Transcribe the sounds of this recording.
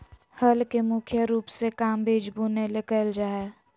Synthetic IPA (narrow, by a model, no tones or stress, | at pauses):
həlkemʊkʰjəɾuːpsekaːmbʱeːd͡ʒbunelekəld͡ʒaːɛ